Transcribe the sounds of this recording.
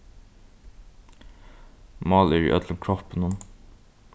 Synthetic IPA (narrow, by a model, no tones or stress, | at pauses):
mɑːlæːɹḭʔœd̪ləŋkʰɹɔpənʊm